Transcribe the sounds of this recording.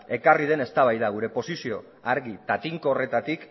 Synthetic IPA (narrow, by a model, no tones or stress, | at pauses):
e̞karið̞e̞ne̞st̪aβajðaɣ̞uɾe̞po̞sisio̞ | aɾɣit̪at̪iŋkoːre̞t̪at̪ik